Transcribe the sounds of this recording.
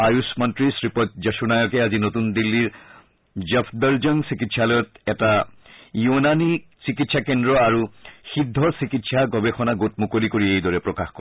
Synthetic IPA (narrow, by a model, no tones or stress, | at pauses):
ajusmɔntɹisɹipɔtd͡ʑaʃunajɔkɛazinot̪und̪ilːiɹ | d͡ʑepʰd̪ɔɹzɔŋsikitsalɔjɔtɛtajunanisikitsakendɹɔaɹuxidʱːɔɹsikitsaɡɔbexɔnaɡot̚mukolikoɹiejd̪ɔɹɛpɹɔkaxkɔ